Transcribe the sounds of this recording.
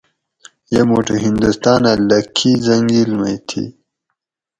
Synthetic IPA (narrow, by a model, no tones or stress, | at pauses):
jamoʈəɦind̪ust̪ɑːnalakʰizaŋɡilmajt̪ʰḭ